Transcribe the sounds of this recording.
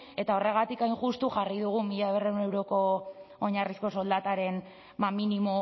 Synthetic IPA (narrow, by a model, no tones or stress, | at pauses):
e̞t̪ao̞re̞ɣ̞at̪ikajŋʝust̪uʝariðuɣ̞umiʎaereunewɾo̞ko̞ːɲarisko̞so̞ld̪at̪aɾe̞n | aminimo